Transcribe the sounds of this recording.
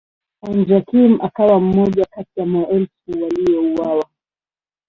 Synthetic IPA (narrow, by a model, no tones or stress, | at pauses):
and͡ʒakimakawam̩mɔʄakatijamɔʔɛlsuwalijɔuwawa